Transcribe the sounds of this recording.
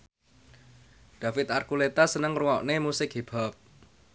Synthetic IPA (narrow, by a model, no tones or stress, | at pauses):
d̪̥ä̤fɪt̪arkulet̪asənəŋruwɔʔnemusɪkɦeb̥a̤p̚